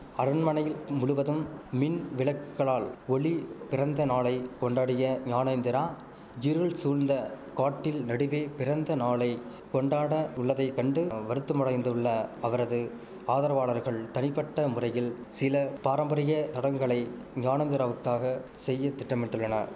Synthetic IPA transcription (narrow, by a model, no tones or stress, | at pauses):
ɐɾɯnmɐnɐjɪlmʊɻɯʋɐðɯmːɪnʋɪɭɐkːɯɣɐɭaːlɔɭipɪrɐnd̪ɐnaːlɐɪkɔɳɖaːɽɪjɐɲaːnɐɪnd̪ɪɾaː | jɪɾɯɭsuːɾnd̪ɐ | kaːʈːɪlnɐɽɯʋeːpɪrɐnd̪ɐnaːɭɐɪ | kɔɳɖaːɽɐʊɭːɐðɐɪkːɐɳɖɯʋɐɾɯt̪ːɯmʊɽɐɪnd̪ɯɭːɐɐʋɐɾɐðɯ | aːðɐɾɐʋaːɭɐɾɣɐɭt̪ɐnɪpːɐʈːɐmʊrɐjɪl | sɪlɐpaːɾɐmbɐɾɪjɐt̪ɐɽɐŋɡɐɭɐɪ | ɲaːnɐnd̪ɪɾaːʋɯkːaːɣɐ | sɛjːɐt̪ːɪʈːɐmɛʈrɯɭːɐnɐɾ